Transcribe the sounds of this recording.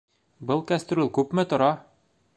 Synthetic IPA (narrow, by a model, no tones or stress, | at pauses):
bɤlˠkæst̪rolʲˠkʉpmɘt̪ŏɾɑ